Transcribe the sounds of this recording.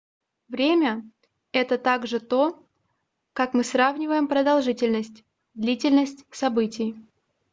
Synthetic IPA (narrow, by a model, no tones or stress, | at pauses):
vɾʲemʲə | ɛt̪ət̪aɡʐɨt̪o̞ | kakmɨsravnʲɪvəjɪmpɾəd̪ɐlˠʐɨtʲɪlʲnəsʲtʲ | d̪lʲitʲɪlʲnəsʲtʲsɐbɨtʲɪj